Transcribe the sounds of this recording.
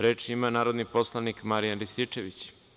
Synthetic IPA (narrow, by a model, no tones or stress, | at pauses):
ɾe̞ːt͡ʃimanaːɾo̞d̪nipo̞slˠanikmaɾijanɾist̪it͡ʂe̞ʋit͡ɕ